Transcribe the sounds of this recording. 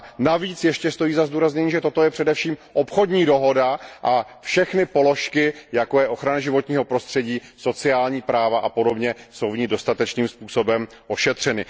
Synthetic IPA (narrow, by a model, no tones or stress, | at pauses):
naviːt͡sjɛʃcɛst̪o̞jiːzazduːɾazɲɛɲiːʒɛt̪o̞t̪o̞jɛpr̥ɛdɛfʃiːmʔopxo̞dɲiːdo̞ɦo̞daʔafʃɛxnɪpo̞lo̞ʃkɪjakojɛʔo̞xɾanaʒɪvo̞t̪ɲiːɦo̞pɾo̞st̪r̥ɛɟiːso̞t͡sɪaːlɲiːpɾaːvaʔapo̞do̞bɲɛso̞wvɲiːdo̞st̪at̪ɛt͡ʃniːmspuːso̞bɛm | o̞ʃɛt̪r̝̥ɛnɪ